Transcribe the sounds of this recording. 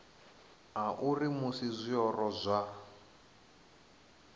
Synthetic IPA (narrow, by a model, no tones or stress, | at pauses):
ɦaʔurimusizʷiɔrɔzʷa